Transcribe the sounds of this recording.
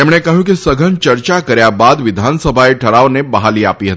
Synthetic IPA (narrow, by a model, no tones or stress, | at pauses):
t̪emɽ̃ekəɦjũkisəɡʱənt͡ʃəɾt͡ɕakəɾjabad̪ʋɪd̪ʱansəbʱaeʈʰəɽaʋnebəɦalia̰piːɦət̪i̥